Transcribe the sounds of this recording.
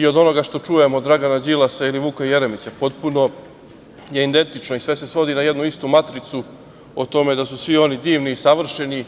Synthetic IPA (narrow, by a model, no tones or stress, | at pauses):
io̞d̪o̞no̞ɡaʃt̪o̞t͡ʂuje̞mod̪ɾaɡanad͡ʑilasailiʋuːkoje̞ɾemit͡ɕapo̞t̪puno̞ | je̞ind̪e̞nt̪it͡ʃno̞isʋe̞se̞sʋo̞d̪inajed̪nuist̪umat̪ɾit̪su | ot̪o̞me̞d̪asusʋio̞nid̪iːʋniːsaʋr̩ʃe̞ni